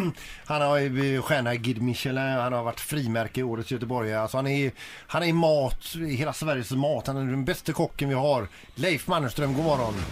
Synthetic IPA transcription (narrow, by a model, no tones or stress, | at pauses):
hanhaɾɧæːɳaɡɪd̪mɪʂɛləhanhaɾvaʈːfɾiːmæɾkəɪoːɾət̪sjœt̪əbɔɾjalsɔhanæɾ | hanæɾmɑːt̪ɪɦeːlasvæɾjəsmɑːt̪hanæɖɛnbɛst̪əkʰɔkːənvɪɦaɾ | lɛjfmanːəst̪ɾœmɡoːmɔɾːɔn